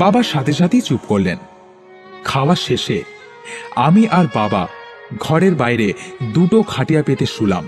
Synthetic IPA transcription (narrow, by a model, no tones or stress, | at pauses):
babaʃat̪ʰeʃ̬at̪ʰit͡ɕupkoɾlḛn | kʰaoaʃeʃe | a̰miʔaɾbaba̰ɡʱɔɾeɾbajɾed̪uʈokʰaʈijapet̪eʃula̰m